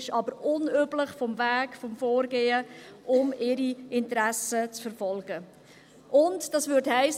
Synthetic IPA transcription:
ʃɑbəɾʊnøːbləχfɔmvæːɡ̥fɔmfoːɾɡeːəʔʊmɪɾiɪntɾæsət͡sfəɾfɔlɡ̥ə | ʔʊntd̥ɑsʋʏthɛɪs

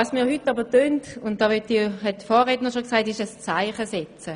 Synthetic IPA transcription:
ɑːsmiːɐhytːɑbətøːntʊn̚d̥ɑːʋœtihɛt̚ːfɔːʁɛtnəʃoksaɪtɪʃəst͡saɪχəsɛt͡sə

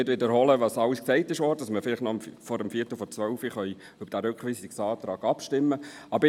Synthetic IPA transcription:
ɪdʋɪdəɾhɔləʋɑːsɑwəsksɛɪtɪʃʋɔːɾdədɑsməɾfɪlɪχtnɔmfɔɾəmfiətəfɔt͡sʋœʊfiχœʏ | ʏbəɾd̥æɾʉkχʋiːsɪksɑːt̪ɾɑːɡ̥ɑpʃtɪmːəʔɑbəɾ

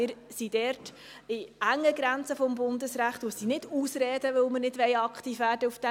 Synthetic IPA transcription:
ɪːɾsid̥ɛːɾt | ɪæŋːəɡɾænt͡səfɔmbʊndəsɾæχtussinɪd̥uːsɾɛːdəʋɵlmənɪdʋɛɪɑkt̪iːfʋæːɾdəufd̥ɛ

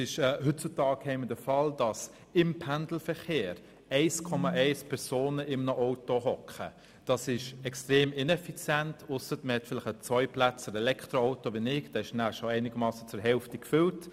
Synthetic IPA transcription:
ɪʃɛːhʏt̚t͡sʊtɑːkʰɛɪməd̥əfɑld̥ɑs | ɪmpʰænd̥l̩fəɾχeːɾ | ɛɪskʰɔmɑʔɛɪspʰɛɾsoːnəʔɪmnəʔɔʊtoɦɔkχə | d̥ɑsɪʃɛkstʁeːmɪnɛfit͡sjɛntʊsətməhɛtfɪlɪχət͡sʋɔʏplæt͡səɾɛlɛkʰtʁoɔʊtoʋinɪɡd̥ɛːɪʃnæʃoɛɪnɪɡ̥əmɑːsət͡suɾɦɛlftikfʏlt

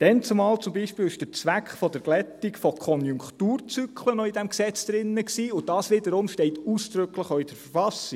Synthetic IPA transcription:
d̥ɛnt͡sumɑːlt͡sʊmbiːʃpɪːlɪʃd̥əɾt͡sʋækχfɔd̥əɾɡlɛtikfɔkʰɔnjʊŋkχtuːrt͡sykʰlənɔidæmksɛt͡sd̥̪ɾɪnːəksiːʊd̥ɑːsʋɪdəɾʊmʃtɛɪtuːsd̥̪ɾʏkləχoːid̥əɾfəɾfɑsi

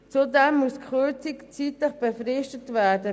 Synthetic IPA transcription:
t͡sudɛmːuəskχøt͡sikt͡siːtləχb̥əfɾɪʃtətvɛːdə

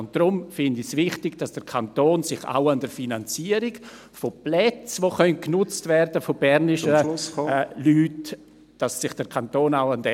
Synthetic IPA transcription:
ʊnt̚d̥ɾʊmfɪndɪsvɪχtɪɡd̥asd̥əɾkʰantoːnsɪχa̰ʊandəɾfinant͡siːəɾɪɡ | foplɛt͡sʋoːχœnt̚knʊt͡stvɛɾdəfob̥ɛɾnɪʃə | lyːt | d̥asːɪχd̥əɾkʰantoːnaʊandɛ

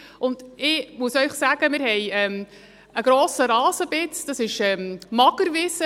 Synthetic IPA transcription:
ʔʊnd̥ɪmuəsœʏχsæːɡ̥əmɪɾhɛjɛm | əɡɾoːsəɾɑːzəb̥ɪt͡sd̥ɑsɪʃɛːmmɑɡəɾvɪsə

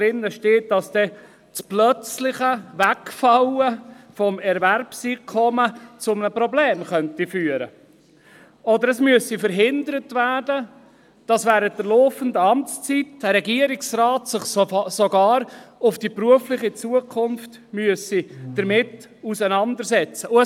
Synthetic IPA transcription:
ɾɪnːəʃteːt̚d̥ɑsd̥ɛ | t͡splœt͡slɪχəvækfɑwəfɔmɛɾvæɾpsikʰɔmət͡sʊmnəpɾɔbleːmχœntifyːəɾə | ɔdəɾəsmyəsifəɾɦɪnd̪əɾətvæːdə | d̥ɑsʋæːɾət̚dəlɔːfəndəɑmt͡st͡sitd̥əɾɛɡiəɾɪksraːtsɪχssɔɡɑːɾʊfd̥ipɾuəflɪχit͡suəkʰʊnft | myəsid̥əɾmɪt | usənɑndəɾsɛt͡səʊə

